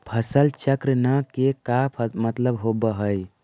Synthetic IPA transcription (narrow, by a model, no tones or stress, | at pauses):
pʰəsəlt͡ʃəkɾnakekapʰmət̪ləbɦobəɦəj